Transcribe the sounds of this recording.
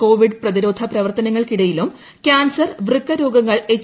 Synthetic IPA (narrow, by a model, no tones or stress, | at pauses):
ko̞ːʋiɖprɐðiɾoːd̪ʱɐprɐʋɐrt̪ɐnɐŋːɐɭkiɽɐjilum | kʲaːnsɐrʋrɨkːɐɾoːɡɐŋːɐɭet͡ɕː